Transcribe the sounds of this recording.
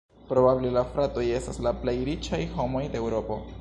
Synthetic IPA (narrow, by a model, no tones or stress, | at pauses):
pɾo̞bable̞lafɾato̞je̞staslaplejɾit͡ʃajho̞mo̞jdeewɾo̞po̞